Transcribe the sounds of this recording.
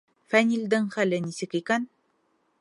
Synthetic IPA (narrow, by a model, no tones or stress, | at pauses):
fænʲilʲd̪ɘŋχælɘnisɘkikæn